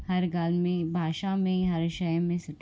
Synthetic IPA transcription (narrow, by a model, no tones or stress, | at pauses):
hɐɾɡaːlmẽbʱaːʃamẽɦɐɾʃəjmẽsɪʈ